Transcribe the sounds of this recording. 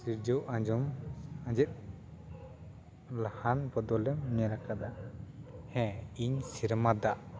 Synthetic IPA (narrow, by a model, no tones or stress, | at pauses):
siɾd͡ʒɔwʔad͡ʒɔmãd͡ʒɛt̪̚ˀ | lahanbɔd̪ɔlɛmːɛɾakad̪a | hɛ̃iɲsiɾmad̪aʔ